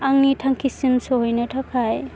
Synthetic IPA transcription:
aŋnitʰaŋkʰisimsɔhɔjnɯtʰakʰaj

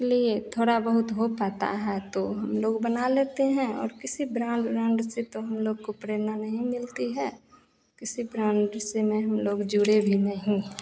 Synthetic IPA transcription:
liet̪ʰoːɽabəɦʊt̪ɦopaːt̪a̰ɦɛt̪oɦɐmloːɡbənaleːt̪eɦɛ̃ɔ̰ːɾkɪsibɾãːɳɖbɾãːɳɖɪset̪oɦɐmloːɡ̚kopɾeːɾnanɐɦĩmɪlt̪iɦɛː | kɪsibɾãːɳɖɾɪsemẽɦɐmloːɡd͡ʒuɽebʱinɐɦĩ

